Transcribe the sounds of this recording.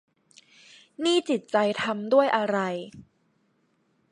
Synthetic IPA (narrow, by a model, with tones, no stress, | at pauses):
niː˥˩t͡ɕi˨˩t̪̚t͡ɕa˧jt̪ʰa˧mdu˥˩əjʔa˧ɾa˧j